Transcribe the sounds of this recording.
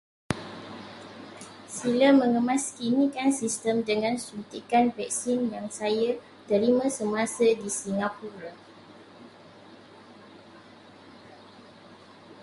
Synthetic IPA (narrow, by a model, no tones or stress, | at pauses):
silamə̃ŋəmãskinĩkansist̪əmdəŋãnsunt̪ikanvɛk̚sinjaŋsaja | dəɾimãsəmãsədisiŋapuɾa